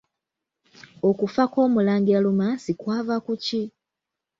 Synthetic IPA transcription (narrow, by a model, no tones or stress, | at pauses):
o̞kufako̞ːmulaːŋɡialumasikwaːvakuci